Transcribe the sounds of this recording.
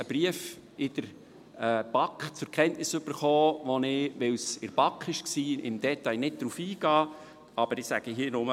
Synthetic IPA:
əb̥ɾiəf | ɪd̥əɾ | ɛb̥ɑkχt͡sʊɾkʰɛntnɪsɵb̥əɾχɔːʋɔnɪʋɪwsɪɾb̥ɑkχɪʃksiːʔɪ̰md̪̥ɛt̪ɑɪnɪt̚d̪̥ɾufiːɡ̥ɑː | ɑb̥əɾɪsæ̰ɡ̥əɦiːnʊmə

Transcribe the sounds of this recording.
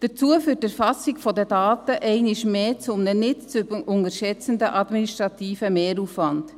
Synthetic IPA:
d̥ət͡suəfyːtəɾfɑsɪkfɔdədɑːtəʔɛɪnɪʃmeːt͡sʊmnənɪtt͡sybəʊŋəɾʃɛt͡səndəʔɑdminiʃtʁɑtʰiːfəmeːɾuːfvɑnd

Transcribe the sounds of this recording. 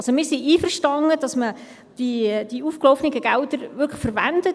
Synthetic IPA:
lsomɪːɾsiʔiːfərʃtɑŋəd̥ɑsmə | d̥id̥iuːfklɔfnɪɡəɡ̥æltəɾʋʏɾkʰləχfəɾʋænd̥ə

